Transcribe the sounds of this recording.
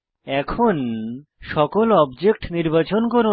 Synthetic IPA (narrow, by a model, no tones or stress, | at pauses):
ɛkʰonʃɔkolɔbd͡ʑek̚ʈniɾbat͡ɕonkoɾu